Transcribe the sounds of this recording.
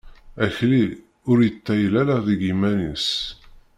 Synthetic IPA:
æçli | ʊɾjət͡sːæjlælaðiɡimænis

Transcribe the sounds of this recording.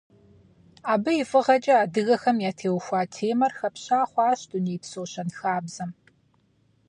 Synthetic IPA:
aːbɨjɪfʼɨʁɐt͡ʃʼɐaːdɨɣɐxɐmjaːtʰeːwxʷaːtʰeːmɐrxɐpɕaːχʷɑːɕtʼuniːpsoːɕɐnxaːbz̥ɐm

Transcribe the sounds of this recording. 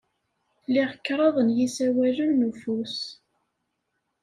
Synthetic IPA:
lːiʁəkːɾˤɑðˤənjisæwæʒənːufus

